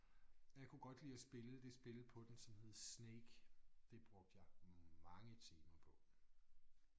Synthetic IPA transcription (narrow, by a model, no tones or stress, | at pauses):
jɑ̈ɪkʰuɡ̥ɒ̽d̥liːæsb̥e̝ləd̥e̝sb̥e̝lpʰɒ̽d̥ensɒ̽mhe̝ð̞̰ˠsneːɡ̥d̥e̝b̥ʁɔ̽ɡ̥̚d̥jɑ̈ɪmɑ̈ŋət͡sʰiːmɐpʰɒ̽